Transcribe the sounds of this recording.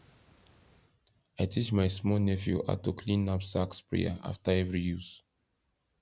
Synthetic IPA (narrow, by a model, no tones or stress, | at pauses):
ajtʰit͡ʃmaɪsmɔnɛfjṵa̰tukʰlĩnapsakspɹɛ̰a̰ʔa̰ftaɛvɹijus